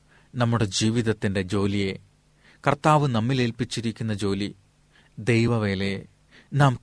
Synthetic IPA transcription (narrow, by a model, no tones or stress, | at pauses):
nɐmːuɽe̞d͡ʑiːʋiðɐt̪ːinde̞d͡ʑo̞ːlije̞ | kɐrt̪aːʋɨnɐmːile̞ːlpit͡ɕːiɾikʲːunːɐd͡ʑo̞ːli | d̪e̞jʋɐʋe̞ːle̞ | naːm